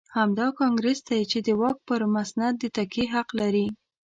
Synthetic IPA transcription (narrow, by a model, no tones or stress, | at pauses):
hamd̪ɑkɑŋɡɾesd̪ajt͡ʃed̪əwɑk̚pəɾmasnad̪̚d̪ːət̪akeɦaqlaɾi